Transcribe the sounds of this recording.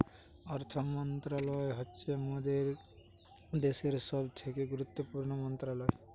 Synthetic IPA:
ɔɾt̪ʰɔmɔnt̪ɾalɔeɦɔtːsemod̪eɾ | d̪eseɾsɔbt̪ʰekeɡuɾut̪ːopuɾɳɔmɔnt̪ɾalɔe

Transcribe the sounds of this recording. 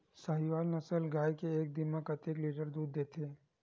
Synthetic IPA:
sɐɦiʋaːlnɐsəlɡaːjkeeːk̚d̪ɪməkɐt̪eːkliːʈəɾd̪uːd̪ːeːt̪ʰeː

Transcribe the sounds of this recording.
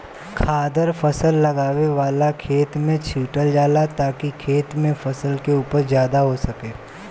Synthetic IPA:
kʰaːd̪əɾfɐsəlːɐɡaːʋeʋaːlakʰeːt̪mẽt͡ʃʰiːʈəld͡ʒaːlat̪aːkikʰeːt̪mẽfɐsəlkeuːpəɾzjaːd̪aɦosɐkeː

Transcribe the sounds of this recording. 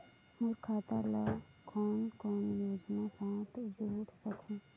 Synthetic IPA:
mʊɾkʰaːt̪ala | kʰɔːnkɔːnjoːd͡ʒnasãːt̪d͡ʒoːɽsəkʰũː

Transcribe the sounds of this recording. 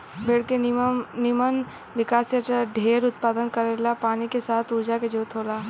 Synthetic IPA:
beːɽkenɪmən | ʋɪkaːseaɖʱeːɾʊt̪̚paːd̪ənkɐɾelapaːnikesaːt̪ʰʊɾd͡ʒaked͡ʒoːt̪ʰoːlaː

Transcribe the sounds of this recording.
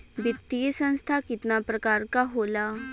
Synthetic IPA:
ʋit̪ːiəsə̃ñst̪ʰakit̪napɾəkaɾkaɦola

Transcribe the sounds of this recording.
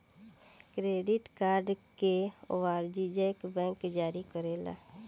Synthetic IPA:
kɾeːɖɪʈkaːɾɖkeo̰ʋaːɾd͡ʒid͡ʒekbɛ̃ːŋkd͡ʒaːɾikəɾeːla̰ː

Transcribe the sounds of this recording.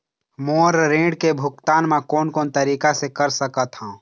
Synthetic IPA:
moːɾɾẽːɖkebʱʊkt̪aːnmẽkoːnkoːnt̪əɾiːkasekəɾsəkət̪ɦãː

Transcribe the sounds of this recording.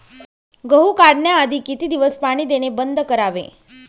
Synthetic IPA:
ɡəɦukaɽɳjaːd̪ʱikit̪id̪iʋəspaɽ̃id̪eñebənd̪ʱkəɾaʋḛ

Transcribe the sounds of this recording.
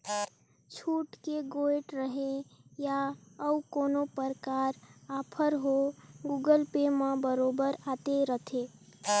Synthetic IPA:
t͡ʃʰuʈkeɡoeʈɾəɦe | jaəukonopəɾkaɾapʰəɾɦoɡuɡəlpemə̃bəɾobəɾat̪eɾət̪ʰe

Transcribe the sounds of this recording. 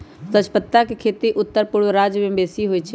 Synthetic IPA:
sət͡ʃʰpət̪ːakekʰeːt̪iʔʊt̪ːəɾpʊɽɾaːd͡ʒʋẽbeːsiɦoit͡ʃʰɛ

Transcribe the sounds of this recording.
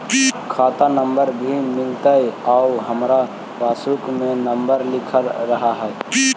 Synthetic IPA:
kʰat̪anəmbəɾbʱimɪlt̪əjauɦəmɾa | baːsukmenəmbəɾlɪkʰəlːəɦaɦɛ

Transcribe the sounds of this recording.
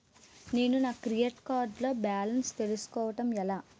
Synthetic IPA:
ne̞ːnunaːkɾijeʈkaːɾɖlo̞ːbaːlɐnst̪e̞lusu̥kɔːʋɐʈɐmɛlaː

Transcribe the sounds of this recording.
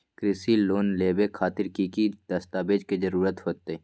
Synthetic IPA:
kɾɪsiloːnleːbekʰaːt̪ɪɾkikid̪̥ɐst̪aːbeːd͡ʒkezɐɾuːɾət̪ɦoːt̪e

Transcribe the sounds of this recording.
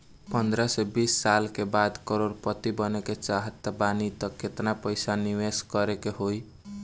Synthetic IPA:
pʌnd̪ɾasebisːalkebad̪kɔɾoɾpʌt̪ibʌneket͡ʃaɦət̪ːəbanit̪ʌkʰet̪napəjsaniweskʌɾekeɦoj

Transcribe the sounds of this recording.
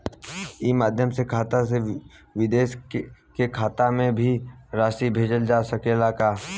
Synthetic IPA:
imaːd̪ʱjəmsekʰaːt̪ase | ʋɪd̪eːʃkekʰaːt̪amẽbʱiɾaːʃibʱeːd͡ʒəld͡ʒaːsɐkelaːkaː

